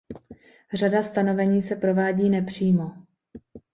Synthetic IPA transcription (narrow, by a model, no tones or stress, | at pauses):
r̝adast̪ano̞vɛɲiːsɛpɾo̞vaːɟiːnɛpr̝̥iːmo̞